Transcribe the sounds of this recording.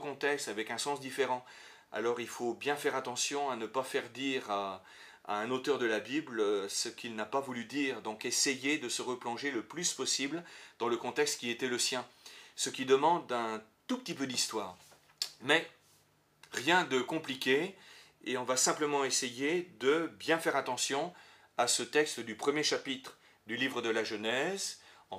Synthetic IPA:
kɔ̃t̪ɛkst̪avɛkɛ̃sɑ̃sd̪ifeʁɑ̃ | a̰lɔʁilfobjɛ̃fɛʁat̪ɑ̃sjɔ̃anəpafɛʁd̪iʁa | a̰ɛ̃not̪œʁd̪əlabibløsəkʰʲilnapavulyd̪iʁd̪ɔ̃kesejed̪əsəʁəplɔ̃ʒeləplyspɔsibld̪̥ɑ̃ləkɔ̃t̪ɛkst̪kʲiet̪ɛləsjɛ̃səkʲid̪əmɑ̃d̪ɛ̃t̪upət̪ipød̪ist̪waːʁ | mɛ | ʁjɛ̃d̪əkɔ̃plikʲe | eɔ̃vasɛ̃pləmɑ̃esejed̪əbjɛ̃fɛʁat̪ɑ̃sjɔ̃ | asət̪ɛkst̪d̪ypχəmjeʃapit̪χ | d̪ylivʁəd̪əlaʒənɛzɑ̃

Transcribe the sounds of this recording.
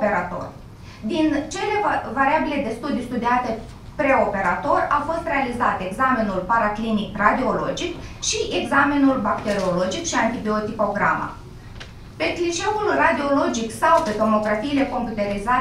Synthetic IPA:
pe̞ɾat̪o̞̰r | d̪int͡ʃe̞le̞vaɾiabile̞d̪e̞st̪ud̪ijust̪ud̪iat̪e̞ | pɾe̞o̞pe̞ɾat̪o̞rawfo̞st̪re̞alizat̪e̞ɡzamenulpaɾaklinikrad̪io̞lo̞̰d͡ʒikʃiʔeɡzamenulbakt̪e̞ɾiolo̞d͡ʒikʃiant̪ibio̞t̪ipo̞ɡɾa̰ma̰ | pe̞kliʃe̞ulrad̪io̞lo̞d͡ʒiksawpet̪o̞mo̞kɾafiːle̞ko̞mput̪e̞ɾiza

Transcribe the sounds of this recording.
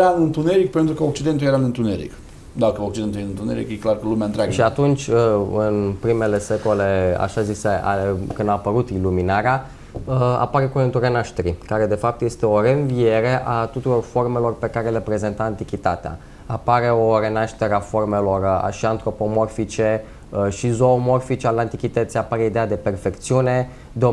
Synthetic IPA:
ɾanɨnt̪uneɾik̚pent̪ɾukəok̚t͡ʃid̪ent̪uljeɾanɨnt̪uneɾḭk | d̪akəok̚t͡ʃid̪enujenint̪uneɾḭkjeklarkəlumeaɨnt̪ɾʲaɡʃiat̪unt͡ʃʲɨnpɾime̞le̞se̞ko̞le̞a̰ʃaziseʔa̰kɨnd̪aːpəɾut̪iluminaɾea | əa̰paɾe̞kuent̪uɾenaʃt̪eɾikaɾe̞d̪e̞fap̚t̪jest̪e̞o̞ɾe̞ɨnvije̞ɾe̞ʔat̪ut̪uɾo̞rfo̞rme̞lo̞rpe̞kaɾelepɾe̞ze̞nt̪aant̪ikʲit̪at̪ea̰ | apaɾe̞o̞re̞naʃt̪e̞ɾeafo̞rme̞lo̞ra̰ʃiant̪ɾo̞po̞mo̞rfit͡ʃe̞ | əʃizo̞ːmo̞rfit͡ʃealeant̪ikʲit̪ət̪sijapaɾeid̪ead̪e̞pe̞rfe̞kt̪siune̞ | d̪o

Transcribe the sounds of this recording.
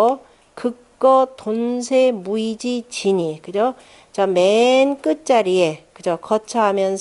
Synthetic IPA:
kɯk̚k͈ʌtonsʰemuid͡ʑit͡ɕiɲikɯd͡ʑo | t͡ɕamenk͈ɯt̚t͡ɕ͈aɾie̞kɯd͡ʑokʌt͡ɕʰaɦamjʌns

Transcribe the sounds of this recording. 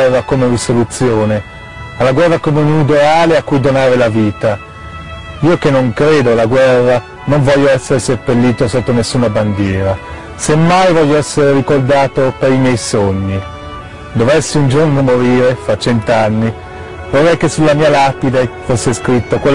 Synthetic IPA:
ɛrːakomerisolut̪sːjoːne | alːaɡwɛrːakomeunid̪oaːleakːujd̪onaːɾelaviːt̪a | iːok̟enːoŋkɾeːd̪oalaɡwɛrːa | noɱvɔʎːoɛsːeɾeserpelːiːt̪osot̪ːonesːuːnaband̪jɛːɾa | semːajvɔʎːoɛsːeɾeɾikord̪aːt̪opeɾimjɛjsoɲːi | d̪ovɛsːeund͡ʒornomoɾiːɾefat͡ʃːɛnt̪anːi | vorːɛjkesːulːamiːalapid̪efosːeskɾit̪ːokwel

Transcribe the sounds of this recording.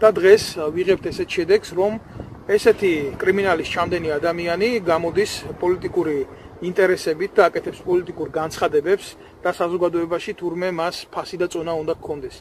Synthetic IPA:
d̪̥ad̪ʁɛsviʁɛp̚t̪ʰɛsɛt̪ʰʃɛd̪ɛksɾɔmɛsɛt̪ʰikʼɾiminalist͡ʃʰamd̪ɛniad̪amianiɡamɔd̪ispʼɔlit̪ʼikʼuɾiː | nt̪ʼɛɾɛsɛbit̪̚ʰd̪aːkʼɛt̪ʰɛpspʼɔlit̪ʼikʼuɾɡant̪sʰχad̪ɛbɛps | d̪̥asazɔɡad̪ɔɛbaʃit̪ʰuɾmɛmaspʰasid̪at̪sʼɔnaund̪akkʰːɔnd̪ɛs

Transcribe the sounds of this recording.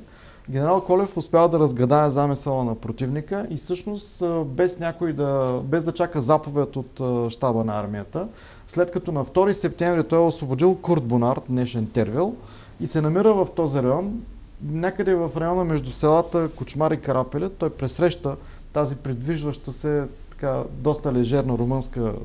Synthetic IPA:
ɡʲɛnɛɾalˠkɔlɛfʊspʲjavˠd̪ɐɾɐzɡɾɐd̪aɛzamisəlˠənɐpɾot̪ivnikəʔisɤʃnost̪bɛsnʲakoid̪ɐbɛzd̪ɐt͡ʃakəzapovɛt̪ot̪ːʃt̪abənɐa̰ɾmiət̪ə | slɛt̪kɐt̪ɔnɐft̪ɔɾisɛp̚t̪ɛ̃ɱvɾit̪ɔjɛosvobod̪ilˠkuɾd̪̚bonaɾt̪̚d̪nɛʃɛnt̪ɛɾviəlˠ | isɛnɐmiɾəvɐft̪ɔziɾɐjɔn | nʲakəd̪ɛvɐfɾɐjɔnəmɛʒd̪usɛlˠat̪əkʊt͡ʃmaɾikɐɾʔapɛlʲɛt̪ɔjpɾɛsːɾɛʃt̪ə | t̪azipɾid̪viʒvəʃt̪əsɛt̪ɐ̥kad̪ɔst̪əlɛʒɛɾnəɾomɤnskə

